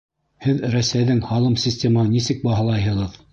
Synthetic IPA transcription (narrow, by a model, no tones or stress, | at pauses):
hɘðɾæsæjðɘŋhɑlˠɤmsʲisʲtʲemahɤnisɘk̚bɑɦɑlˠɑjɦɤ̆ʁɤð